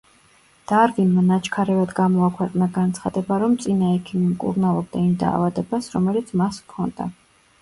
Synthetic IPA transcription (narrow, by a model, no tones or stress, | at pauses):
d̪̥aɾɡinmanat͡ʃʰkʰaɾɛvad̪ɡamɔakʰwɛqʼnaɡant̪sʰχa̰d̪ɛbaɾɔmt̪sʼinaɛkʰimimkʼṵɾnalˠɔb̚d̪aimd̪a̰ːvad̪ɛbasɾɔmɛlit̪sʰmaskʰɔnd̪̥a̰